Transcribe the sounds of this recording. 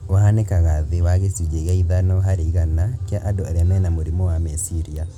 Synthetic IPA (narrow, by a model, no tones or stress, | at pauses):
oɦanekaɣaðewaɣesud͡ʒeɣaiðanɔɦaɾiɣanakjaʔadɔaɾɛmɛnamoɾimɔwamɛsiɾia